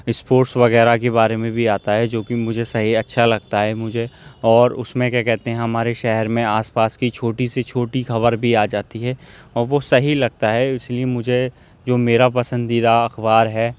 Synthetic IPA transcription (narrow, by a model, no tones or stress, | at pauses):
ɪspoːɾʈsʋɐɣɛːɾakebaːɾemẽbʱiaːt̪aɦɛd͡ʒoːkimʊd͡ʒʱesɐɦiɐtːʃʰalɐɡ̚t̪aɦɛmʊd͡ʒʱeɔːɾʊ̰smẽkjaːkɛɦt̪ẽɦɛ̃ɦɐmaːɾeʃɛɦɛɾmẽaːspaːskit͡ʃʰoːʈiset͡ʃʰoːʈixɐβəɾbʱiaːd͡ʒaːt̪iɦɛː | ɔːɾʋosɐɦilɐɡ̚t̪aɦɛɪsliemʊd͡ʒʱe | d͡ʒoːmeːɾapɐsə̃nd̪id̪aɐxbaːɾɦɛː